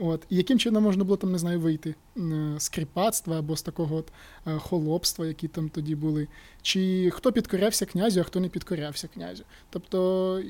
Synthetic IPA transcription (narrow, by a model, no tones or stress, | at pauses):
ot̪ijɐkɪmt͡ʃɪnɔmːɔʒnɐbʊlˠɔt̪amnezɑjʊʋɪjt̪ɪ | skɾʲipɑt̪st̪ʋɐːbɔst̪ɐkɔɦɔɔt̪ | xɔlˠɔpst̪ʋɐjɐkʲit̪ɑmt̪ɔdʲibʊlˠɪ | t͡ʃɪxt̪ɔpʲid̪kɔɾʲawsʲɐknʲazʲʊɐxt̪ɔnɛpʲid̪kɔɾʲawsʲɐknʲa̰zʲʊ | t̪ɔpt̪ɔ